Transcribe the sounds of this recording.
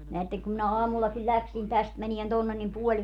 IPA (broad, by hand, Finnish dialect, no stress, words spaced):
neætːeŋ kum minæ ɑːmulːɑkilʲ lʲæksin tæst mænien tonːen nim puolʲ